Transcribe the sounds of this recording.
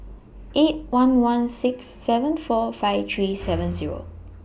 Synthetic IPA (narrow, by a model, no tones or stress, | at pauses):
ʔet̚wãnwãnsɪksːɛvə̃nfɔfaɪvt̪ʰɹiːsɛvə̃nziɹo̰